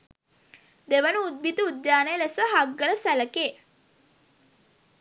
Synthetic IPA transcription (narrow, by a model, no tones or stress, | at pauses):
d̪eʋənəud̪̚bit̪əud̪jaːnəjəlesəɦaɡːələsæləkeː